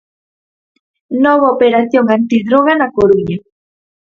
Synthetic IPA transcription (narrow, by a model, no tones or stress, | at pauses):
noβaopeɾaθjoŋant̪iðɾoɣanakoɾuɲa